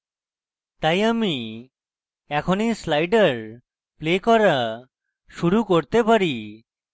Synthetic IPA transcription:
t̪ajami | ɛkʰonislajɖaɾ | plekɔɾa | ʃuɾukoɾt̪epaɾi

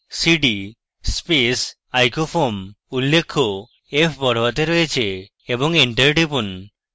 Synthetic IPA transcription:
siɖi | spes | ajkofʰom | ulːekʰːo | epʰbɔɽ̤ʱowat̪eɾoet͡ɕʰe | eboŋiɳʈeɾɖipun

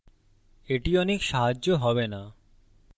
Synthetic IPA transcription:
eʈiɔnekʃaɦad͡ʑːoɦɔbena

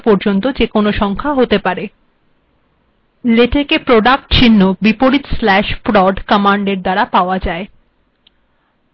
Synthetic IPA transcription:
poɾd͡ʑont̪od͡ʑekonoʃɔŋkʰaɦot̪epaɾe | leʈekepɾoɖak̚ʈt͡ɕʰinːobipoɽit̪slɛʃpɾɔɖkamaɳɖeɾd̪aɾapaoad͡ʑae

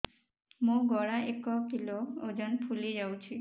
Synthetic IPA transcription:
mũɡɔɽaʔekɔkilood͡ʒɔnpʰulid͡ʒawt͡ʃʰi

